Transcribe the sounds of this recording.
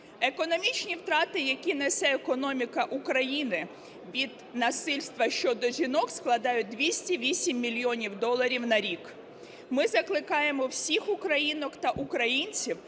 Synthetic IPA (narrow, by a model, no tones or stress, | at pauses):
e̞kɔnɔmʲit͡ʃnʲiwt̪ɾɑt̪ɪjɐkʲinɛsɛekɔnɔmʲikɐʔukɾɐjinɪ | ʋʲid̪ | nɐsɪlʲst̪ʋɐʃt͡ʃɔd̪ɔʒʲinɔksklˠɐd̪ɑjʊt̚ʲd̪ʋʲisʲtʲiʋʲisʲimːʲilʲjɔnʲiwd̪ɔlˠɐɾʲiwnɐɾʲik | mɪzɐklˠɪkɑjemɔwsʲixʊkɾɐjinɔkt̪ɐʔukɾɐjinʲt͡sʲiw